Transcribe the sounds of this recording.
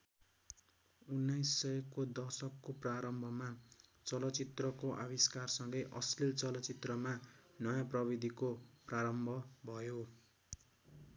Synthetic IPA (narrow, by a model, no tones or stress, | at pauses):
unːajsːʌjkod̪ʌsʌkːopraɾʌmbʱʌmat͡sʌlʌt͡sit̪rʌkoʔaβiskarsʌŋɡʌjʔʌ̰slilt͡sʌlʌt͡sit̪rʌmanʌjãprʌbid̪ʱikopraɾʌmbʱʌbʱʌjo